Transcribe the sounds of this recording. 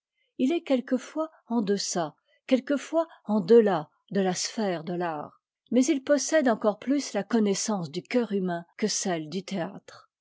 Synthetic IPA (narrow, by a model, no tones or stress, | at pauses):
ilɛkʲɛlkəfwa | ɑ̃d̪əsa | kʲɛlkəfwaɑ̃d̪əla | d̪əlasfɛʁd̪əla̰ːʁ | mɛzilpɔsɛd̪ɑ̃kɔʁplyslakɔnɛsɑ̃sd̪ykʲœʁymɛ̃kəsɛld̪yt̪ea̰t̪χ